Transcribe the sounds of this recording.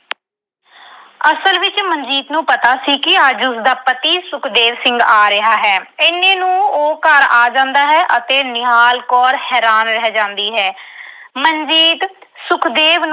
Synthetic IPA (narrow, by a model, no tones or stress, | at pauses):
əsəlʋɪt͡ʃməɲd͡ʒiːt̪nũːpət̪aːsiːkɪəd͡ʒʊsd̪aːpət̪iːsʊkʰd̪eːʋsɪ̃ŋɡaːɾɪɦaːɦɛːɪnːẽːnũːoːkəɾaːd͡ʒãːnd̪aːɦɛːʔət̪eːnɪɦaːlkɔːɾhɛːɾaːnɾɛɦd͡ʒãːnd̪iːɦɛːmənd͡ʒiːt̪ | sʊkʰd̪eːʋn